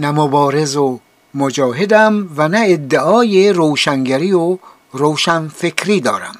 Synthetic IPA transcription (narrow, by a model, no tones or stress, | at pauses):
næmobɒːɾezo | mod͡ʒɒːɦed̪æmvænæed̪ːeʔɒːjeɾoːʃæŋɡæɾiːo | ɾoːʃænfekʰɾiːd̪ɒ̰ːɾæ̰m